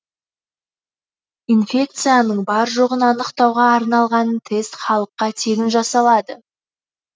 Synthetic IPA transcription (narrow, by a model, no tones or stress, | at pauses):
infʲe̞k̚t̪sɨjanəɴbɑɾʒo̞ʁənɑnəqt̪ɑwʁɑːɾnɑlˠʁɑnt̪ʰe̞st̪χɑlˠəqːɑt̪ʰe̞ɡʲɪnʒɑsɑlˠɑd̪ə